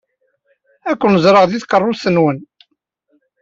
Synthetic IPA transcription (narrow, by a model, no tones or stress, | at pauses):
ækʷːnəzˤɾˤəʁðiθqərˤːʊlsənwən